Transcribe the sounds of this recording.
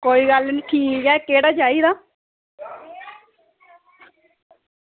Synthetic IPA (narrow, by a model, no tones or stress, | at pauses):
koːiːɡəlniːʈʰiːkɛːkeːɽaːd͡ʒaːiːd̪aː